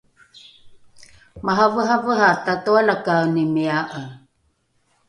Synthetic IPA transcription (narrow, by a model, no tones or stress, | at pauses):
maɦavəɦavəɦatatoalakawnimiaʔə